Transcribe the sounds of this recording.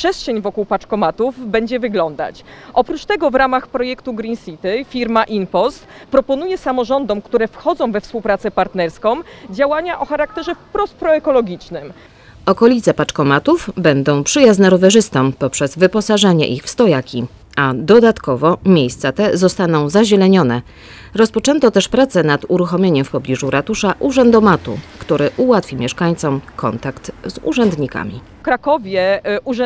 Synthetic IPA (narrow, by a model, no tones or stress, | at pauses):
pʂɛstʂɛɲvɔkuwpat͡ʂkɔmat̪uvbɛɲd͡ʑɛvɘɡlɔnd̪a̰t͡ɕʔɔpɾut͡ʂt̪ɛɡɔvɾamaxpɾɔjɛkt̪uɡɾinsʲit̪ɘfʲiɾmaʔinpɔst̪pɾɔpɔnujɛsamɔʐɔnd̪ɔmkt̪uɾɛfxɔd̪zɔ̃w̃vɛfspuwpɾat̪sɛpaɾt̪nɛɾskɔ̃wd͡ʑawaɲaʔɔxaɾak̚t̪ɛʐɛfpɾɔspɾɔɛkɔlɔɡʲit͡ʂnɘm | ɔkɔlʲit̪sɛpat͡ʂkɔmat̪uvbɛnd̪ɔ̃w̃pʂɘjaznɛɾɔvɛʐɘst̪ɔ̃mpɔpʂɛzvɘpɔsaʐaɲɛ̰ʔixfst̪ɔjakʲi | ad̪ɔd̪at̪kɔvɔmʲjejst̪sat̪ɛzɔst̪anɔ̃w̃zaʑɛlɛɲɔn̪ɛ | ɾɔspɔt͡ʂɛnt̪ɔt̪ɛʂpɾat̪sɛnad̪uɾuxɔmʲeɲɛmfpɔblʲiʐuɾat̪uʂaʔuʐɛnd̪ɔmat̪ṵkt̪uɾɘʔuwat̪fʲimʲjɛʂkaɲt̪sɔmkʰɔ̰nt̪akt̪zṵʐɛnd̪ɲika̰mʲḭ | kɾakɔvʲjɛu